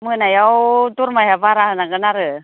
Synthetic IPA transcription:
mənajawt̪uɾmajɦavaɾahənaɡənaɾə

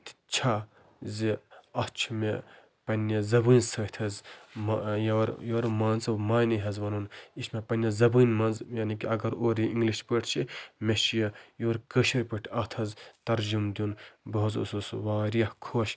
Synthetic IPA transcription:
t̪i̥t͡ʃʰa | ziɐt͡ʃʰume | pɐnʲːɐzɐbunʲsɐːt̪ʰɐzmjɐɾjoːɾmɐ̃nzɐmaːniɦɐzʋɐnunismepɐnʲjɐzɐbunʲmɐnzjaːnikiɐɡɐɾoːɾiĩŋɡliʃpəʈʰt͡ʃʰimeʃijɐjoːɾkəʃiɾʲpəʈʰɐt̪ʰɐzt̪ɐɾd͡ʒumd̪ʲunbɐuzṵsusʋãːɾiɐhkʰoːʃ

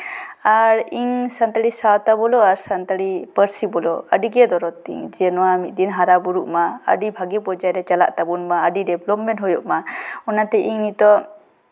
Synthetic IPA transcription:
aɾiŋsant̪aɽisawt̪abɔlɔaɾsant̪aɽipəɾsibɔlɔə̰ɖiɡɛd̪ɔɾɔt̪ḭŋd͡ʒɛnɔwamit̪̚d̪inɦaɾabuɾuʔmaə̰ɖibʱaɡipɔd͡ʒajɾɛt͡ʃala̰ʔt̪abunmaəɖiɖɛblɔpmɛnʈɦɔjɔʔmaɔnat̪ɛʔiŋnit̪ɔ

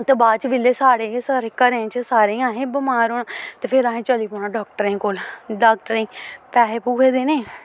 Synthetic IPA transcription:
t̪ebaːt͡ʃʋɪleːsaːɽeːsaːɾeːkəɾẽːt͡ʃsaːɾẽːãːɦẽːbəmaːɾoːɽat̪eːpʰɪɾaːɦẽːt͡ʃəliːpoːɽ̃aːɖaːk̚ʈəɾẽːkoːlɖaːk̚ʈəɾẽːpɛːɦeːpuːkʰeːd̪eːnẽː

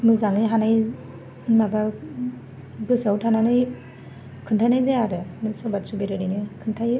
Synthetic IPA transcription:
mɯzaŋɯɦanaj | maba | bɯsawtʰananɯj | kʰɯntʰajnajzeaɾɯnɯsɔbat̚subeɾɯɾɯjnɯkʰɯntʰaj

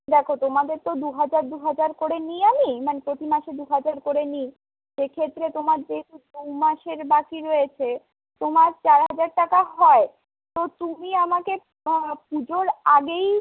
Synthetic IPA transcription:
d̪ɛkʰot̪omad̪eɾt̪od̪uɦad͡ʑaɾd̪uɦad͡ʑaɾkoɾeniamimanepɾot̪imaʃed̪uɦad͡ʑaɾkoɾeni | ʃekʰet̪ːɾet̪omaɾd͡ʑeekud̪umaʃeɾbakiɾojet͡ɕʰe | t̪omaɾt͡ɕaɾɦad͡ʑaɾʈakaɦɔe | t̪ot̪umiamake | p̚ud͡ʑoɾaɡej

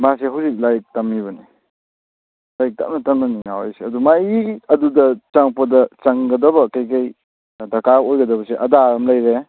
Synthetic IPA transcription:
maseɦawzik̚lajk̚tɐmːiβɐni | lajk̚ta̰mnɐtɐmnɐniŋawajseɐdumajiɐdudɐt͡ʃaŋpɐdɐt͡ʃɐŋɡɐdɐbɐkɐjkaj | dɐkaojɡɐdɐbɐseʔɐdaɾɐmlɐjɾe

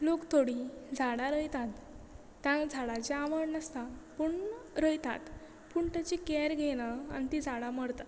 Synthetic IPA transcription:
lokt̪ʰoɽid͡zʱaɽaɾəjt̪at̪ː | jãd͡zʱaɽat͡ɕeaʋəɳnəst̪apuɳɾəjt̪a̰t̪ | puɳt̪at͡ɕikɛɾɡʱeɽ̃aa̰nt̪id͡zʱaɽaməɽt̪at̪

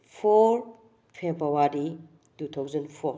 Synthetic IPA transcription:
pʰɔɾ | pʰebawaɾi | tut̪ʰawzendpʰoɾ

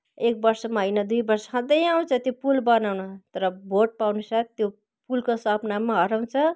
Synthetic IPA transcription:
ek̚bʌrsʌmaɦʌijnʌd̪ujbʌrsʌɦʌ̃d̪ʌjaw̃t͡sʰʌt̪jopulbʌnawnʌt̪ʌɾʌbʱoʈ̚pawnusat̪jo | pulkosʌpnamaɦʌɾaw̃t͡sʰʌ

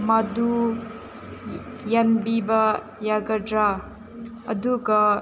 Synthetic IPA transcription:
mad̪u | janbibɐ | jaɡɐdɾaː | d̪uɡɐ

